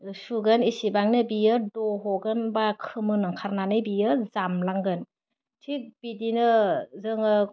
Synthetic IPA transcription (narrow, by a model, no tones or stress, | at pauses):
suɡɯnisibaŋnɯbijɯdɔɦɔɡɯnbakʰɯmɯnɯŋkʰaɾnanɯjbijɯzamlaŋɡɯn | tʰik̚b̥idinɯzɯŋɯ